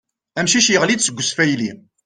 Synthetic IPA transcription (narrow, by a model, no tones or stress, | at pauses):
æmʃiʃjəʁlid̪səɡʷːəsfæjli